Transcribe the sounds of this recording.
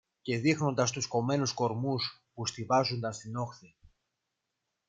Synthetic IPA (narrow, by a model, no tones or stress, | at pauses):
ce̞ðixno̞nd̪ɐst̪usko̞me̞nusko̞ɾmus | pust̪ivɐzund̪ɐnst̪ino̞xθi